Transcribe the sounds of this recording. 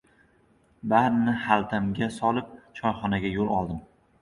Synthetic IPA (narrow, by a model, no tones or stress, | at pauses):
baɾnɪhalˠt̪ʰamɡʲasɒlˠɪp̚t͡ʃʰɒjχɒnaɡʲajolˠɒlˠd̪ɪm